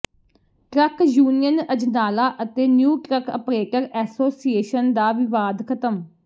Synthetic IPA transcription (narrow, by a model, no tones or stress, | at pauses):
ʈɾəkjuːnijənəd͡ʒnaːlaːʔət̪eːnjuːʈɾəkʰə̰pɾeːʈəɾɛːsoːsieːʃənd̪aːʋɪʋaːd̪kʰət̪əm